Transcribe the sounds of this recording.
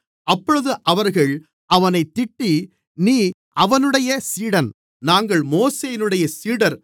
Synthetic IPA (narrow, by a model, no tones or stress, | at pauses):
ʔɐpːɔɻɯðɯʔɐʋɐɾɣɐɭ | ʔɐʋɐnɐɪt̪ːɪʈːi | niːʔɐʋɐnɯɽɐjɐsiːɽɐn | naːŋɡɐɭmoːseːjɪnɯɽɐjɐsiːɽɐɾ